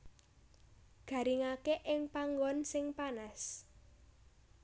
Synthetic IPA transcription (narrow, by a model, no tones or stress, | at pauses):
ɡ̥ä̤ɾiŋakeʔɪŋpaŋɡɔnsɪŋpanas